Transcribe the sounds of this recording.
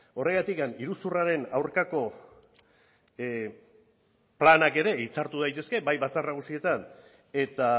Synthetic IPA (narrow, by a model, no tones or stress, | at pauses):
o̞re̞ɣat̪ikaniɾusuraɾe̞nawɾkako̞ | planake̞ɾe̞it͡saɾt̪uð̞ajt̪e̞ske̞bajβat͡sarnaɣ̞usie̞t̪an | e̞t̪a